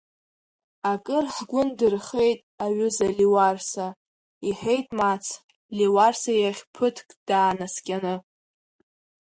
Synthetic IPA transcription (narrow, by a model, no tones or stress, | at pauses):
akʼɨrħɡʷʊndɨrχe̞jtʼaɥʏzaliwarsa | iħe̞jtʼmat͡sʰ | liwarsajaχʲpʰɨtʰkʼd̥aːnaskʲʼanɨ